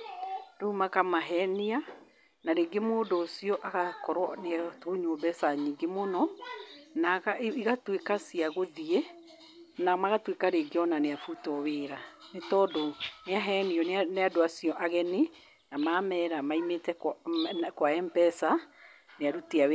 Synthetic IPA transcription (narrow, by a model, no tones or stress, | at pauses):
doumakamaɦɛnia | naɾeɡemoːdosiɔʔaɣakɔɾwɔnetoːɲoːbɛsaɲiŋɡemonɔ | naɣiɣatwekasiaɣoðiɛ | namaɣatwekaɾeɡeɔnaneafutɔweːɾanetɔdɔneaɦɛniɔnneadoasiɔʔaɣɛne | namaːmɛɾamaimetɛkkwaɛmpɛsa | neaɾuteawe